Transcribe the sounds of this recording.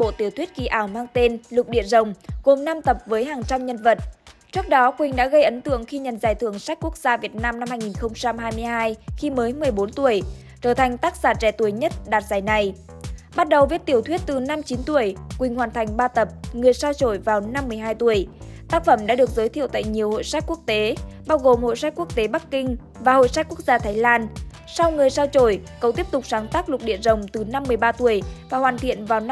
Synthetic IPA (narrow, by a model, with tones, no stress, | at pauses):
ɓo̰˧˨t̪i˧˩ət̪wi˦˥t̚ki˨˩ʔaː˧˩wmaː˧ŋt̪e˧nlʊ˨˩k͡p̚ɗḭ˧˨əzə˨˩wŋ͡mɣo˨˩mna˧mt̪ə˨˩p̚vəː˨˦jɦaː˨˩ŋt͡ɕa˧mɲə˧nvə˨˩t̚t͡ɕɨ˦˥ək̚ɗɔ˨˦kwï˨˩ŋ̟ɗa̰ː˧˥ɣə˧jʔə˨˦nt̪ɨ̰˧˨əŋxi˧ɲə̰˨˩nzaː˨˩jt̪ʰɨ˧˩əŋsa˦˥k̟̚ku˦˥ək̚z̥aː˧vi˨˩ət̚naː˧mna˧mhaː˧jŋi˨˩nxə˧wŋ͡mt͡ɕa˧mhaː˧jmɨ˧əjhɦaː˧jxi˧məː˨˦jmɨ˨˩əjɓo˨˦nt̪u˧˩əj | t͡ɕəː˧˩t̪ʰa˨˩jŋ̟t̪aː˦˥k̚saː˧˩t͡ɕɛ˧˩t̪u˧˩əjɲə˦˥t̚ɗaː˨˩t̚zaː˨˩jna˨˩j | ɓa˦˥t̚ɗə˨˩wvi˨˦˥ət̪i˧˩ət̪wət̚t̪ɨ˨˩na˧mt͡ɕi˨˦nt̪u˧˩əjkwï˨˩ŋ̟hwaː˨˩nt̪ʰa˨˩jŋ̟ɓaː˧t̪ə˨˩p̚ŋɨ˨˩əjsaː˧wt͡ɕo˧˩jvaː˨˩wna˧mːɨ˨˩əjɦaː˧jt̪u˧˩əjt̪aː˦˥k̚fə˧˩mɗa̰ː˧˥ɗɨ˨˩ək̚zəː˨˦jt̪ʰi˧˨əwt̪a̰ː˧˨jɲi˨˩əwho̰˧˨jsa˦˥k̚ku˦˥ək̚t̪e˨˦ɓaː˧wɣo˨˩mho̰˧˨jsa˦˥k̚ku˦˥ək̚t̪e˨˦ɓa˦˥kkï˧ŋ̟ | vaː˨˩ho̰˧˨jsa˦˥k̚ku˦˥ək̚zaː˧t̪ʰaː˨˦jlaː˧n | sa˧wŋɨ˨˩əjsaː˧wt͡ɕo˧˩jkə˨˩wt̪i˦˥əp̚t̪ʊ˨˩k͡p̚saː˨˦nt̪aː˦˥k̚lʊ˨˩k͡p̚ɗḭ˧˨ənzə˨˩wŋ͡mt̪ɨ˨˩na˧mːɨ˨˩əjɓaː˧t̪u˧˩əjvaː˨˩hwaː˨˩nt̪ʰḭ˧˨ənvaː˨˩wn